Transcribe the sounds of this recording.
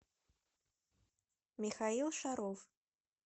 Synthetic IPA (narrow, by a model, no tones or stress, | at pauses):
mʲixailˠʂaɾɔf